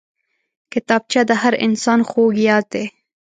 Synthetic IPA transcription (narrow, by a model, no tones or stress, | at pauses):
kɪt̪ɑb̚t͡ʃad̪əhaɾɪ̰nsɑnxoɡjɑd̪̚ːe